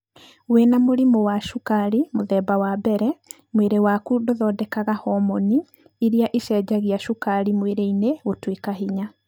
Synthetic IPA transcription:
wenamoɾimowaʃukaɾimoðɛbawabɛɾɛ | mweɾewakudoðɔdɛkaɣahɔmɔni | iɾiaʔeʃɛːd͡ʒaɣiaʃukaɾimweɾeineotwekaɦiɲa

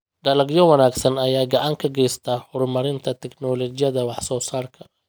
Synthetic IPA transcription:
ɖɐlɐɡjɔwɑnaːɡsɐnɐjaːɡɐʕaːŋkʰɐɡɛjst̪ʰaːhʊrmɐɾɪnt̪ʰɐt̪ʰɛknɔːlɔt͡ʃɪjɐðɐwɑħsɔːsaːrkʰɐ̥

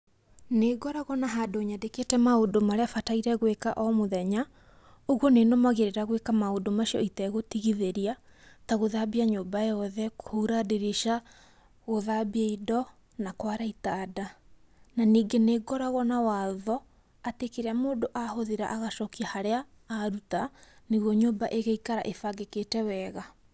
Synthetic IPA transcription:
neɡɔɾaɣɔnaɦadoɲadeketɛmaodomaɾeafataiɾɛɣwekaʔɔmoðɛɲa | oɣwɔnenɔmaɣeɾeɾaɣwekamaodomaʃiɔitɛɣotiɣiðeɾia | taɣoðabiaɲoːbaeɔðɛkohuɾadeɾeʃa | ɣoðabiaidɔ | nakwaɾaitada | naniːɡeneɡɔɾaɣɔnawaðɔ | atekeɾeamoːdoʔahoðeɾa̰ʔaɣaʃɔkiahaɾeaː | ɾutaneɣwɔɲobaʔeɣeikaɾa̰ʔefaɡeketɛwɛɣa

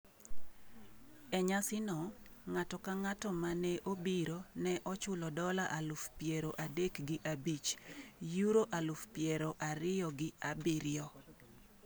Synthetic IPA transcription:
ɛɲasɪnɔŋatɔkaŋatɔmanɛʔobiɾonɛʔɔt͡ʃʊlɔdɔlaʔalufpjeɾoʔadekɡɪʔabit͡ʃjuɾoʔalʊfpjeɾɔʔaɾɪjɔɡɪabiɾɪɔ

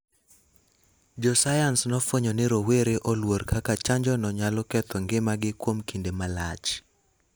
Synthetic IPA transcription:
d͡ʒɔsajansnɔfwoɲɔnɪɾoweɾeʔɔlwoɾkʰakat͡ʃaɲd͡ʒɔnɔɲalɔkɛt̪ʰɔŋɡɪmaɡɪkwomkindemala̰t͡ʃ

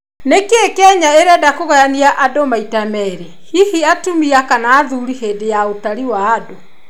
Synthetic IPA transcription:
nekekɛɲaeɾɛdakoɣɔjaniaʔadomaitamɛɾe | hihiatumiakanaːðuɾiɦeːdejaotaɾiwaːdo

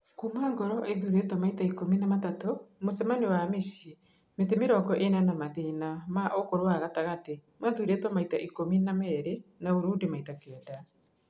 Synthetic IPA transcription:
komaːŋɡɔɾɔʔeðuɾetɔmaitaikominamatatomosɛmanewameʃi | met̬emeɾɔɡɔʔenanamaðeːnamaʔokoɾwaɣataɣate | maðuɾetɔmaitaʔikominamɛɾenaoɾuːdemaitakɛːda

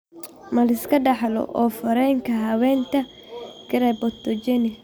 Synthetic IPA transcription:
mɐlɪskʰɐɖɑħlɔ̰ʔɔːfɐɾɛŋkʰɐɦɐwɛːnt̪ʰɐ | ɡɪɾɛbɔt̪ːɔt͡ʃɛnɪ

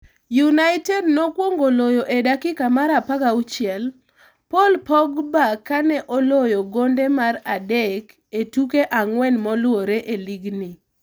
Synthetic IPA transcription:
junaɪtɛdnɔkwoŋɡolojoʔedakɪkamaɾapakaut͡ʃɪɛl | polpɔɡbakːanɛʔɔlojoɡondɛmaradɛk | etukeʔaŋwɛnmɔlwoɾeʔeliɡni

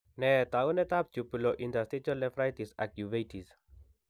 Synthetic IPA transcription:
nɛt̪aunɛt̪ap̚d͡ʒupuloʔind̪ast̪ɾit͡ʃɔlɛfɾajt̪isak̚juvejt̪is

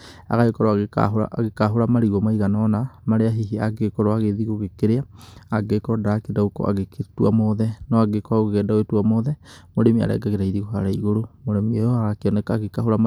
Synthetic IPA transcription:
a̰ɣaekɔɾɔaɣeka̰ɦoa̰ɣekaɦoɾamaɾiɣɔmaiɣananamaɾeaɦiɦiaɡekɔɾɔaɣeðiɣoɣekeɾeaːɡekɔdaːkedaokɔ̰a̰ɣekʰetwamɔðɛnɔaɡekɔaɣoɣɛːdaoetwamɔðɛmoɾemia̰ɾɛ̰ɡaɣeɾaiɾiɣoɦaɾaiɣoɾomoɾemiojɔaɣakeɔnɛkaːɣekahoɾama

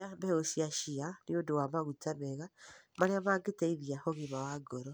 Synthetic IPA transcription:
ambɛɣosiaʃianiodowamaɣutamɛɣamaɾeamaɡeteiðiahoɣimawaɡoɾɔ

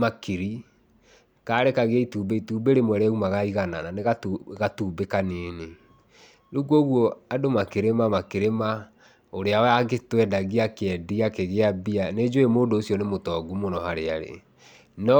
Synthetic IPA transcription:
makeɾi | kaːɾekaɣeaituːbeituːbeɾemwɛɾeumaɣaiɣanananeɣaɣatuːbekaneːne | ɾuɡwoɣwɔadomakeɾemamakeɾema | oɾeaɛaɣetwɛdaɣiakeɛdiakeɣeabianed͡ʑoemondoːsiɔnemotɔɡumonɔhaɾeaɾḛ | nɔ

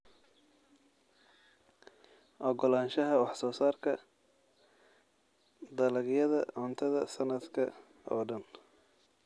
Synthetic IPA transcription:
ʔɔɡɔlaːnʃɐɦɐwɑħsɔːsaːrkʰɐ | d̪ɐlɐɡjɐðɐ̰ʔʊnt̪ʰɐðɐsɐnɐd̪kʰɐ̰ | ɔ̰ːɖɐn

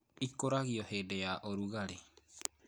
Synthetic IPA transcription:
ikoɾaɣiɔheːdɛjaʔoɾuɣaɾe

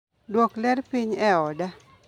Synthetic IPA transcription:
dwoklɛɾpiɲɛɔda

